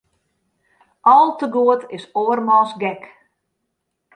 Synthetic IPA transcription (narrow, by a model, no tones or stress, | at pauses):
ʔɔlˠtəɡuətʰɪsoərmɔsɡɛk